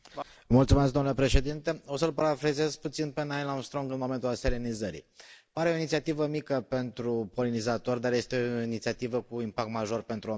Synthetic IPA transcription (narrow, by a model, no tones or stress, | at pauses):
mult̪sumeskd̪onule̞pɾe̞ʃe̞d̪int̪e̞o̞səlpɾafɾezezput̪sinpenaelanst̪ɾo̞ŋɡɨnmo̞me̞nt̪ulaselenizəɾḭpaɾeo̞init̪siat̪ivəmikəpe̞nt̪ɾupo̞linizat̪o̞rʲd̪arje̞st̪eooinit̪siat̪ivəkuimpakt̪maʒo̞rpe̞nt̪ɾuo